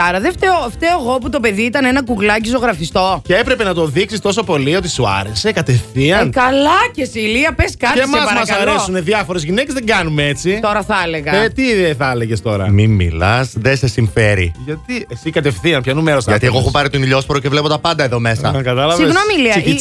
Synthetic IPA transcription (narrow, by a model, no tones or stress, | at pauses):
ɐɾɐðeft̪eoft̪eoɣoput̪o̞pe̞ðiit̪ɐnenɐkuɣlɐcizo̞ɣɾɐfist̪o̞ceepɾe̞penɐt̪o̞ðiksist̪o̞so̞po̞lio̞t̪i̥suɐ̰ɾe̞se̞kɐt̪e̞fθiɐnkɐlɐcesiliɐpeskɐt̪esmɐsɐɾmɐsɐɾesuneðjɐfo̞ɾezʝinece̞zðeŋɡɐnumet͡sit̪o̞ɾɐθɐleɣɐet̪iðeθɐle̞ʝe̞st̪o̞ɾɐ̰mimmḭlɐ̰sðesesiɱfeɾḭʝɐt̪iesikɐt̪e̞fθiɐnpçɐnumeɾosɐʝɐt̪ieɣoexopɐɾit̪oniʎo̞spoɾocevle̞pot̪ɐpɐnd̪ɐeðo̞me̞sɐkɐt̪ɐlɐsɐviesɣnomilisɐii